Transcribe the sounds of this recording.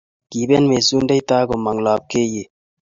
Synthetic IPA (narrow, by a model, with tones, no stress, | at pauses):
ki˨be˦nme˨su˦nde˦jt̪aː˦ko˨mɐ˨ŋlaː˨p̚ke˦je˨